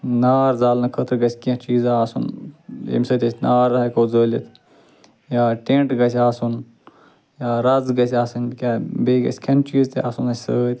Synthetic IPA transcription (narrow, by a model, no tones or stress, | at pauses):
naːɾzaːlnɐkʰət̪ɾɡɐsʲkiãt͡ʃiːzaaːsṵnḛmsəːt̪ʲɐsʲnaːɾɐɦɐkoːzəːlit̪ʰ | jaːʈẽːɳʈɡɐsʲaːsun | jaːɾɐzɡɐsʲaːsɐnkʲaːbeɡɐ̰sʲkʰɐnt͡ʃiːzt̪ea̰ːsunɐsʲsəːt̪ʰ